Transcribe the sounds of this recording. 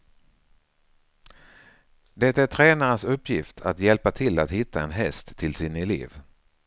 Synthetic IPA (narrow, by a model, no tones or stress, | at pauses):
d̪ɛt̪ːæʈʰɾɛːnaɾənsɵpːjɪft̪ʰa̰t̪jɛlpat̪ʰɪlːat̪hɪt̪ːaɛnɦɛst̪ʰːɪlsɪnɛlḛːv